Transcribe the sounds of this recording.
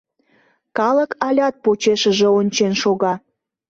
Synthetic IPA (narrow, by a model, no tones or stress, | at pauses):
kɑləkɑlʲɑt̪̚pot͡ɕeʃəʒeonʲt͡ɕenʃoɣɑ